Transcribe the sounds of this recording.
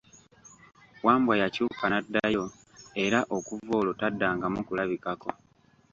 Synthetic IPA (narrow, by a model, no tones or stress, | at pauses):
waːmbwajacuːkanadːajo̞ | e̞ɾaʔo̞kuvo̞ːlo̞tadːaːŋɡamukulaβikako̞